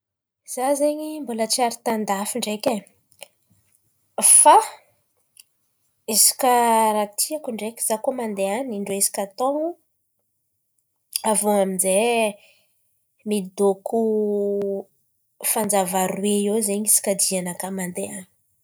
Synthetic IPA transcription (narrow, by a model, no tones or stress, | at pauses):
z̥azeɲimbulət͡siaɾit̪and̪afiɳɖ͡ʐeke | fa | esi̥kʲaɾat̪ʰiakuɳɖ͡ʐekʲiz̥akomand̪eaniɳɖ͡ʐeesi̥kʲat̪oŋu | avoaminze | mid̪okʰu | fand͡zavaɾweiezeɲisi̥kʲad̪ianakəmand̪eani̥